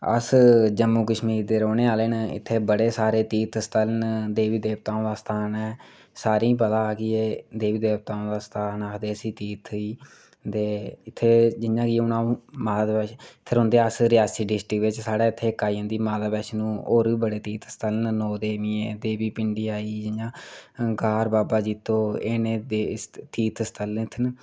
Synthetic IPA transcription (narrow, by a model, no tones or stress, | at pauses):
ə̰sd͡ʒəmːuːkəʃmiːɾd̪eːɾoːneːaːleːnɪ̰t̪ʰːeːbəɽeːsaːɾeːt̪iːt̪ʰəst̪aːlnd̪eːʋiːd̪eːʋt̪aːõːd̪aːst̪ʰaːnɛː | saːɾĩːpəd̪aːɡiːeːd̪eːʋiːd̪eːbt̪aːõːd̪aːst̪ʰaːnad̪eːəsiːt̪iːt̪ʰiː | d̪eːɪt̪ʰːeːd͡ʒɪnjãːkiʊnaːũːmaːd̪ad̪bɛːʃt̪ʰɪɾɦʊ̃nd̪eːaːsɾɪjaːsiːɖɪsʈɾəkʋɪt͡ʃsaːɽaːɪt̪ʰːeːkːaːiːə̃ːnd̪iːmaːd̪aːbɛːʃnũːoːɾiːbəɽeːt̪iːt̪ʰst̪ʰəlnnoːd̪eːʋiːẽːd̪eːbiːpɪɳɖiːaːiːd͡ʒɪjãːɡaːɾbaːbaːd͡ʒiːt̪oːeːneːd̪et̪iːt̪ʰst̪ʰəlt̪ʰːn